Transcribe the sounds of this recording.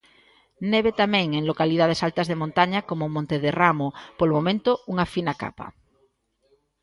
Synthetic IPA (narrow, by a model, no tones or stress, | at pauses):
neβet̪amẽŋeŋlokalið̞aðesalt̪azðemõnt̪aɲakomomõnt̪eðeramopolmomẽnt̪ouŋafinaka̰pa̰